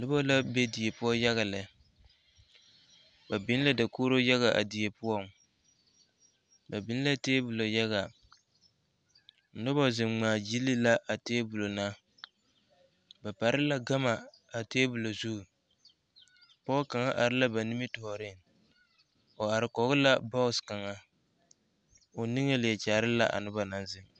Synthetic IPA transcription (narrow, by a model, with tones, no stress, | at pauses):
nʊ˦bɔ˦la˦be˦di˨e˨pʊ˦ɔ˦ja˦ɣa˨lɛ˨ | ba˨bɪ˦n˦la˦da˨koː˦ɾo˦ja˦ɣa˨ʔa̰˨di˨e˨pʊ˦ɔ˦ | ba˨bɪ˨˦n˦la˦teː˦bʊ˨lo˨ja˦ɣa˨ | nʊ˦bɔ˦zɪ˨mŋ͡maː˨ji˦li˦la˦ʔa˨teː˦bʊ˨lo˨na˦ | ba˨pa˨ɾɪ˦la˦ɡa˦ma˨ | a˨teː˦bʊ˨lo˨zu˦˨ | pɔ˦ka˨ŋa˦ʔa˨ɾɪ˦la˦ba˨ni˦mɪ˦tʊ˨hɔ˨ɾɪ˦˨ŋ | o˨a˨ɾɪ˨kɔ˨˦ɣʊ˦la˦bɔ˦˨ska˨ŋa˦ | o˨ni˦ŋe˦lɪ˨jɛ˨t͡ʃaː˨ɾɪ˦la˦ʔa̰˨nʊ˦ba˨na˦nzɪ˨ŋ